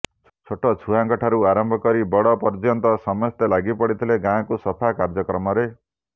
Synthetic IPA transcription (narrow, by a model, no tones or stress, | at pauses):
t͡sʰoʈɔt͡ʃʰuɦãŋkɔʈʰaɾuaɾɔmbʱɔkɔɾibɔɽɔpɔɾd͡ʒjɔnt̪ɔsɔmɔst̪elaɡipɔɽit̪ʰileɡãkusɔpʰakaɾd͡ʒɔkɾɔmɔɾe